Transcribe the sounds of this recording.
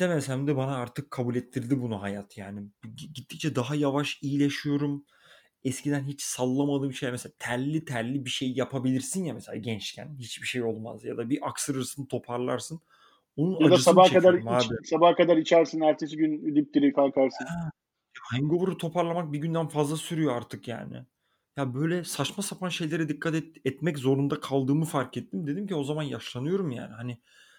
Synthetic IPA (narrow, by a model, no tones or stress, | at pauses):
d̪̥emesæmd̪ɛbanaaɾt̪ʰɯkʰːabulʲɛt̪ʰːiɾd̪ibunuɦajat̪ʰjaːniiɟit̪ʰːict͡ʃʰɛd̪aɦajavaʃijilʲeʃijo̞ɾum | ɛscid̪ænɦit͡ʃsalˠːamad̪ɯːbiʃejamɛseat̪ʰæɾlʲit̪ʰæɾlʲibiʃe̞jjapʰabilʲiɾsinjamɛselʲa̰ːɟɛnt͡ʃcʰæ̰nhit͡ʃbiʃejo̞lˠma̰zjad̪abiʔaksɯɾɯɾsɯnt̪ʰo̞pʰaɾlˠaɾsɯn | onunjad̪asabahkad̪aɾmabisabahkad̪aɾit͡ʃʰæɾsinæɾt̪ʰesiɟynyd̪yp̚t̪iɾikʰalˠkʰaɾsɯn | jahaŋɡo̞vuɾut̪ʰo̞pʰaɾlˠamak̚biɟynd̪ænfazlˠasyɾyjo̞aɾt̪ʰɯkja̰ːnɪ̰ | jabø̞jlʲɛsat͡ʃmasapʰanʃe̞jlʲe̞ɾɛd̪ikʰːat̪ɛɛt̪mɛczo̞ɾund̪akʰalˠd̪ɯːmɯfaɾkɛt̪ʰːimd̪e̞d̪imcio̞zamanjaʃlˠanɯjo̞ɾumja̰ːnɪhanɪ